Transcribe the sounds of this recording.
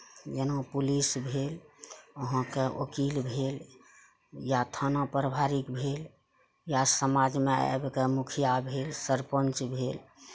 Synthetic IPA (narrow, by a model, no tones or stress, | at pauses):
jenopulisbʱeloɦãkeʔokilbʱel | jat̪ʰənapɾəbʱaɾikbʱel | jasəmad͡ʒmea̰a̰bkemukʰijabʱelsəɾpənt͡ʃbʱel